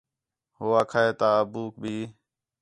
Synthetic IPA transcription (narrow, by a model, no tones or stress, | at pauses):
ɦʊːaːkʰaːeːt̪aːəːbuːk̚bʱiː